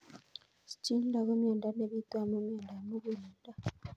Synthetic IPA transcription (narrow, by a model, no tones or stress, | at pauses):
si̥ciːndakomjeːndaneβit̪wamumjeːndamuβuleːnda